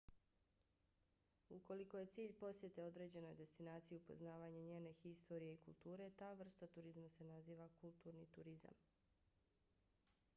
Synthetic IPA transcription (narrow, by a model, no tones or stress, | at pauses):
uko̞liko̞je̞t̪siːʎpo̞sje̞t̪e̞o̞d̪ɾe̞ːd͡ʑe̞no̞jd̪e̞st̪inaːt̪sijiupo̞̰znaːʋaːɲaɲe̞ːne̞xist̪o̞ɾijeikulˠt̪uːɾe̞t̪aːʋr̩st̪at̪uɾizmase̞naziːʋakulˠt̪uːɾnit̪uɾiza̰m